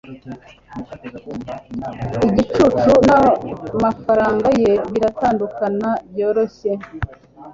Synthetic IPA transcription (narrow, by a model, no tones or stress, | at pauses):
iɟit͡ʃut͡ʃunamafaɾaːŋɡaje̞βiɾataːndukanabjo̞ːɾo̞çe